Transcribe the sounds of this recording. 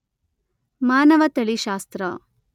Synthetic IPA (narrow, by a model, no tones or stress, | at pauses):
maːnɐʋɐt̪ɐɭiʃaːst̪ɾɐ